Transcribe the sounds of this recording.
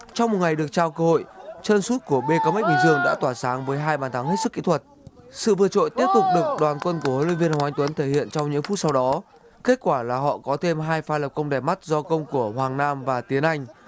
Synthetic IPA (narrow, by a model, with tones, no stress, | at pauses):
t͡ɕɔ˧wŋ͡mm˨˩t̚ŋa˨˩jɗɨ˨˩ək̚t͡ɕaː˧˩wkəː˧ho̰˧˨jt͡ɕə˧nsu˦˥t̚ku˧˩əɓe˧kaː˧mə˦˥t̚ɓï˧˩ŋzɨ˧əŋɗa̰ː˧˥t̪waː˧˩saː˨˦ŋvəː˨˦jɦaː˧jɓaː˨˩nt̪ʰa˨˦ŋhe˦˥t̚sɨ˦˥kːḭ˧˥t̪ʰwə˨˩t̚sɨ̰˧˨vɨː˧ət͡ɕo̰˧˨jt̪i˦˥əp̚t̪ʊ˨˩k͡p̚ɗɨ˨˩ə˩k͡p̚ɗwaː˨˩nkwə˧nku˧˩əho˨˦nwḭ˧˨nvi˧ənha˨wʔa˨˦ŋt̪wə˨˦nt̪ʰe˧˩hḭ˧˨ənt͡ɕɔ˧wŋ͡mɲɨ̰˧˥ŋfu˦˥t̚sa˧wɗɔ˨˦ | ke˦˥t̚kwaː˧˩laː˨˩ɦɔ̰˧˨kɔ˨˦t̪ʰe˧mɦaː˧jfaː˨˧˦lə˨˩p̚kə˧wŋ͡mɗɛ˨˩ma˦˥t̚zɔ˧kə˧wŋ͡mku˧˩əhwaː˨˩ŋnaː˧mvaː˨˩t̪i˨˦ənʔa˧jŋ̟